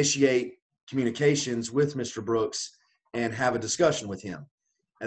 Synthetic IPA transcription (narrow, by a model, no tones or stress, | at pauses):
ɪʃieɪt̚ | kʰmjʉñɨkʰeɪʃɨ̃nzwɪðmɪstə˞bɹʊks | ɨ̃nɨvɨdɨskʌʃn̩wɨð̥ɪ̰̃m | ɨ